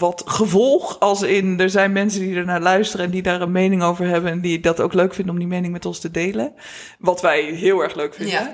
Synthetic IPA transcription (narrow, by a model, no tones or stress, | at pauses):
ʋɑtχəvɔlˠχɑlˠsɪndəɹzɛjnmɛnsəndidɛɹnaːlœɥstərəɛndidaːɹənmejnɪŋowvəɹɦɛbəndidɑtowkløɥkfɪndəɔmdimejnɪŋmɛtɔnstədejlən | ʋɑtʋɛjɦɪːlˠɛɹχløɥkfɪndə